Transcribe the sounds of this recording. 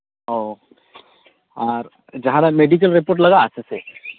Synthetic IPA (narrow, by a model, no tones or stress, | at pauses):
o | aːɾ | d͡ʒɐɦãɾameɖik̬əlɾepoːɾʈ̬lɐɡaːsese